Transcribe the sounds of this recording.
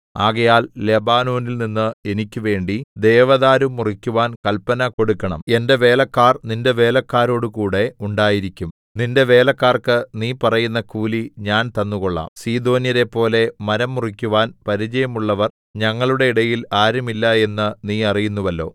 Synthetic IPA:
aːɣɐjaːlːe̞baːno̞ːnilninːɨe̞nikʲːuʋe̞ːɳɖid̪e̞ːʋɐðaːɾumːurikʲːuʋaːnkɐlpɐnɐko̞ɽukːɐɳɐ̰me̞nde̞ʋe̞ːlɐkːaːrninde̞ʋe̞ːlɐkːaːɾo̞ːɽukuːɽe̞uɳɖaːjiɾikʲːum | ninde̞ʋe̞ːlɐkːaːrkɨniːpɐrɐjunːɐkuːliɲaːnt̪ɐnːuɣo̞ɭːa̰ːmsiːd̪o̞ːnjɐɾe̞pːo̞ːle̞mɐɾɐmːurikʲːuʋaːnpɐɾit͡ɕɐjɐmuɭːɐʋɐr | ɲɐŋːɐɭuɽe̞iɽɐjilaːɾumilːɐe̞nːɨniːɐrijunːuʋɐlːo̞̰ː

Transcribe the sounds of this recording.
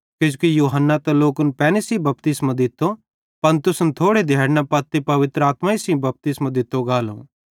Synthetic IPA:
kɪd͡ʒkijuːɦənːat̪ɛ̃loːkʊnpɛːnisibɐpt̪ɪsmãd̪ɪt̪ːo | pɐnt̪ʊsnt̪ʰoːɽed̪ʱaːɽnapɐt̪ːipɐʋɪt̪ɾəaːt̪maisĩbɐp̚t̪ɪsmãd̪ɪt̪ːoɡaːlõ̰ː

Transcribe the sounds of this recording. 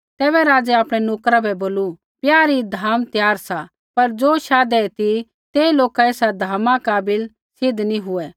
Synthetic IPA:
t̪ɛːβɛɾaːd͡zɛaːpɽ̃ɛnoːkɾabɛboːlu | pjaːɾid̪ʱaːmt̪jaːɾsa | pɐɾd͡zoːʃaːd̪ɛt̪i | t̪eːiloːkaeːsad̪ʱaːmãkaːbɪl | sɪd̪ʱniɦʊɛ

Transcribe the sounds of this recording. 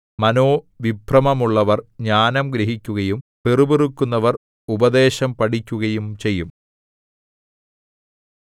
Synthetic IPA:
mɐno̞ː | ʋibʱrɐmɐmuɭːɐʋɐrɲaːnɐmɡɾɐɦikʲːuɣɐjumperuburukːunːɐʋɐr | ubɐd̪e̞ːɕɐmpɐʈikʲːuɣɐjumt͡ɕe̞jːum

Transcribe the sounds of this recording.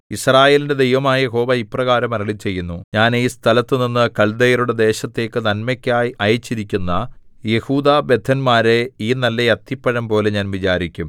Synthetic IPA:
israːje̞ːlinde̞d̪ejʋɐmaːjɐeɦo̞ːʋɐiprɐɣaːɾɐmɐɾɐɭit͡ɕe̞jːunːuɲaːniːst̪ʰɐlɐt̪ːɨninːɨkɐɭd̪ɐjɐɾuɽe̞d̪e̞ːɕɐt̪ːe̞ːkːɨnɐnmɐkʲːaːjɐjɐt͡ɕːiɾikʲːunːɐ | je̞huːd̪aːbe̞d̪ʱːɐnmaːɾe̞iːnɐlːɐjɐt̪ːipːɐɻɐmpo̞ːle̞ɲaːnʋit͡ɕaːɾikʲːum

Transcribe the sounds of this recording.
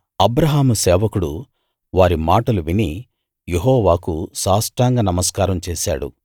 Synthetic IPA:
ɐbɾɐɦaːmusɛːʋɐkuɽu | ʋaːɾimaːʈɐluʋini | jeɦɔːʋaːkuʃaːsʈɾaːŋɡaːnɐmɐskaːɾɐmt͡ʃeːʃa̰ːɽṵ

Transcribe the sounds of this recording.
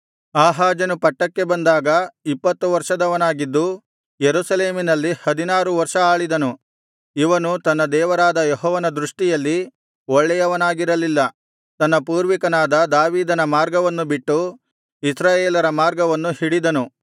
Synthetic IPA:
aːɦaːd͡ʒɐnupɐʈːɐkːe̞bɐnd̪aːɡɐipːɐt̪ːuʋɐɾʂɐd̪ɐʋɐnaːɡid̪ːu | jeɾusɐleːminɐlːihɐd̪inaːɾuʋɐɾʂɐaːɭid̪ɐnu | iʋɐnut̪ɐnːɐd̪ɛːʋɐɾaːd̪ɐjɔɦɔːʋɐnɐd̪ɾuʂʈijɐlːi | ɔɭːɛjɐʋɐnaːɡiɾɐlilːɐ | t̪ɐnːɐpuːɾʋikɐnaːd̪ɐd̪aːʋiːd̪ɐnɐmaːɾɡɐʋɐnːubiʈːu | isɾaːjeːlɐɾɐmaːɾɡɐʋɐnːuhiɽid̪ɐnu

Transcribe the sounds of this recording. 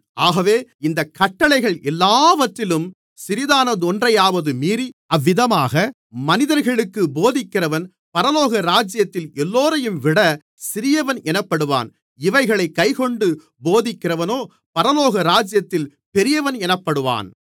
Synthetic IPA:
aːɣɐʋeːɪnd̪ɐkɐʈːɐɭɐɪɣɐɭɛlːaːʋɐt̪ːɪlɯm | sɪɾɪðaːnɐd̪ɔndrɐjaːʋɐðɯmiːɾiɐʋːɪðɐmaːɣɐ | mɐnɪðɐɾɣɐɭɯkːɯboːðɪkːɪɾɐʋɐn | pɐɾɐloːɣɐɾaːd͡ʒɪjɐt̪ːɪlɛlːoːɾɐjɯmʋɪɽɐ | sɪɾɪjɐʋɐnɛnɐpːɐɽɯʋa̰ːn | ɪʋɐɪɣɐɭɐɪkːɐɪkɔɳɖɯ | boːðɪkːɪɾɐʋɐnoː | pɐɾɐloːɣɐɾaːd͡ʒjɐt̪ːɪl | pɛɾɪjɐʋɐnɛnɐpːɐɽɯʋa̰ːn

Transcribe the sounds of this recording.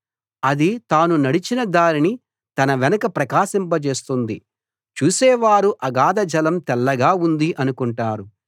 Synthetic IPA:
ɐd̪it̪aːnunɐɽit͡ʃinɐd̪aːɾini | t̪ɐnɐʋɛnɐkɐpɾɐkaːsɐmbɐt͡ʃe̞ːst̪und̪i | t͡ʃuːsɛːʋaːɾuʔɐɡaːd̪ɐd͡ʒɐlɐmt̪ɛlːɐɡaːund̪iʔɐnukuɳʈaːɾu

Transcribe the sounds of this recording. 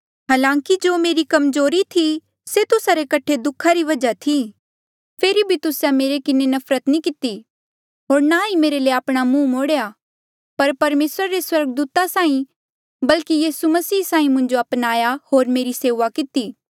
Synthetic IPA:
ɦaːlãːŋkid͡ʒoːmeːɾikɐmzoːɾit̪ʰi | set̪ʊsaɾekɐʈʰed̪ʊkʰːaɾiʋɐd͡ʒat̪ʰi | pʰeːɾibʱit̪ʊsjameːɾekɪnenɐpʰɾət̪nĩkɪt̪i | ɦoːɾnaimeːɾeleːaːpɽ̃amũːmoːɽeja | pɐɾpɐɾmeːsɾaɾeswɐɾɡəd̪uːt̪asãːĩ | bɐlkijiːsumɐsiːsãːĩmʊ̃ɲd͡ʒoɐpnaːjahoːɾmeːɾiseːʋakɪt̪iː

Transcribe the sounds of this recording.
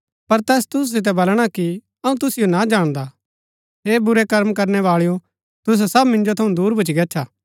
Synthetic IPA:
pɐɾt̪ɛːst̪ʊs̬sɪt̪̬ɛbɐlɽ̃aki | ɐũt̪ʊsɪjonad͡ʒaːɽ̃d̪a | ɦeːbʊɾɛkɐɾmkɐɾnɛʋaːɭijo | t̪ʊs̬ɛsɐbmɪ̃nd͡ʒot̪ʰɐũd̪uːɾbʊt͡ʃiɡɛːt͡ʃʰaː

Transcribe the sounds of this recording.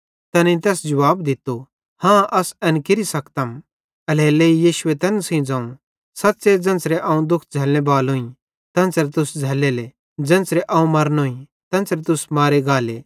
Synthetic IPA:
t̪ɛnẽt̪ɛːsd͡ʒɐʋaːbd̪ɪt̪ːo | hãːʔɐsɛnkɪɾisɐkt̪ɐm | ɐlɛːleːijiːʃʊet̪ɛːnsĩd͡zãːũ | sɐt̪ːsed͡zɐ̃nt͡sɾeʔɐ̃ːũd̪ʊkʰd͡zʱɛːlñebaːlɦõːĩ | t̪ɐ̃nt͡sɾet̪ʊsd͡zʱɛːlele | d͡zɐ̃nt͡sɾeʔɐ̃ːũmɐɾnoĩ | t̪ɐ̃nt͡sɾet̪ʊsmaːɾeɡaːleː

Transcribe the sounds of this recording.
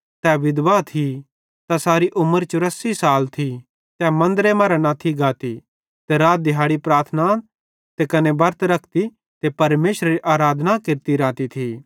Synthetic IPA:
t̪ɛʋɪd̪ʋat̪ʰi | t̪asaːɾiʔʊməɾt͡ʃʊɾəsːisaːlt̪ʰi | t̪ɛmɐ̃nd̪əɾemɐɾanat̪ʰiɡaːt̪i | t̪eɾaːt̪̚d̪ɪɦaːɽipɾaːɾt̪ʰna | t̪ekɐnebɐɾt̪ɾɐkʰt̪i | t̪epɐɾmeːʃɾeɾiʔaːɾaːd̪nakɪɾt̪iɾãːt̪it̪ʰiː

